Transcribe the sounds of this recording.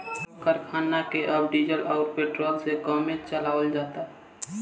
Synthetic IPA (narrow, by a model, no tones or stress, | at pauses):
kəɾkʰaːnːakeʔəbɖid͡ʒəlʔɔʊɾpeːʈɾoːlsekɔmẽt͡ʃəlaːwəld͡ʒaːt̪aɦ